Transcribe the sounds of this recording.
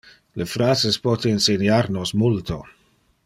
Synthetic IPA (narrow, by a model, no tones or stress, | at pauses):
lefɾaːzespɔt̪einsenjarnosmult̪o